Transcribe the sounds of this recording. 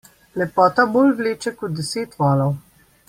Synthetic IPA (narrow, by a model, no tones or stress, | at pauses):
lɛpɔːt̪abolvleːt͡ʃɛkɔd̪̚d̪ɛseːt̪ʋɔːlɔw